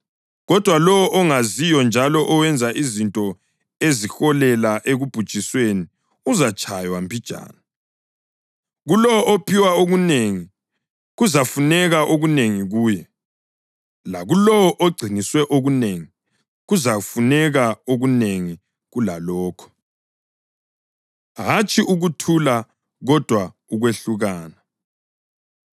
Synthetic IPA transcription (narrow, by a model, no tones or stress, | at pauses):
ɣɔd̥ʱwalɔwɔʔɔŋazijɔnd͡ʒʱalɔʔɔwɛnd͡zʱaʔizintʼɔ | ezixɔlɛlaʔeɣub̥ʱud̥ʒ̥ʱisweni | uzat͡ʃʼajwampʰid̥ʒ̥ʱa̰ːna | ɣulɔɔopʰiwaoɣuneŋi | ɣuzafunɛɣaʔoɣuneŋiɣuːjɛ | laɣulɔwɔʔoɡ͡ǀʱiniswɛʔoɣuneːŋi | ɣuzafunɛɣaoɣuneŋi | ɣulalɔːkʰɔ̥ | ɣat͡ʃʰʼiʔuɣutʰula | ɣɔd̥ʱwa | uɣweɬuɣaːna